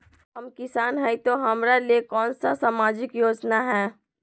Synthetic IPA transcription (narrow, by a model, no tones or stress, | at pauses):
ɦɐmkɪsaːnɦɛit̪oɦɐmɾaliekɔːnsasamaːd͡ʒɪkjoːd͡ʒnaɦɛ̃ː